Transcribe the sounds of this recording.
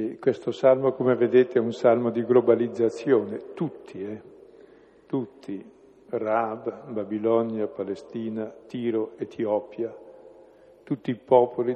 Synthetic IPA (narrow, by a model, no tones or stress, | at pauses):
ikwest̪osalmokomeved̪eːt̪eɛunsalmod̪iɡlobalid̪zːat̪sːjoːnet̪ut̪ʰːiɛ | t̪ut̪ʰːi | rabbabilɔnjapalest̪iːnat̪iːɾoet̪ʰiɔːpja | t̪ut̪ːiːpɔːpʰoli